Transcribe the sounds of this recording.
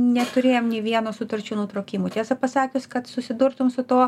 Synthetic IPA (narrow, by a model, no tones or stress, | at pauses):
nʲɛt̪ʊɾʲeːjoːmnʲeːʋʲiɛnoːsʊt̪ɐɾʲt͡ʃʲuːnuːt̪ɾoːkʲiːmuːt̪ʲeːsɐpɐsɑːkʲʊskɐt̪sʊsʲɪd̪ʊrt̪ʊmsʊt̪oː